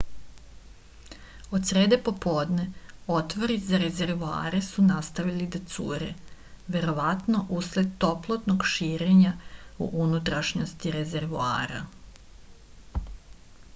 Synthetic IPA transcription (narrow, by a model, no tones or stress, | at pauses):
o̞d̪sɾeːd̪e̞po̞poːd̪ne̞ot̪ʋo̞ɾizaɾe̞ze̞ɾʋua̰ːɾesunast̪aʋilid̪at̪sṵːɾḛ | ʋe̞ɾo̞ʋat̪no̞ʔusle̞d̪̚t̪o̞plˠot̪no̞ɡʃiːɾeɲaṵʔunut̪ɾaʃɲost̪iɾe̞ze̞ɾʋua̰ːɾa̰